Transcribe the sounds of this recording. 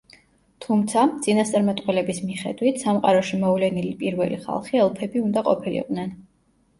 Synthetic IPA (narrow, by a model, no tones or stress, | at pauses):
t̪ʰumt̪sʰad̪sʼinast̪sʼaɾmɛt̪ʼqʼwɛlɛbismiχɛ̰d̪wit̪ʰsamqʼaɾɔʃimɔvlɛnilipʼiɾvɛ̰liχa̰lˠχiɛlˠpʰɛbiund̪aqʼɔpʰilḭqʼd̪nɛn